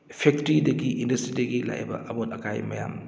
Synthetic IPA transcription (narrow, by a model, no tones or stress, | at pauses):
pʰɛk̚tɾidɐɡiindɐstɾidɐɡila̰jɛ̰bɐ̰ʔɐmutɐkajmɐja̰m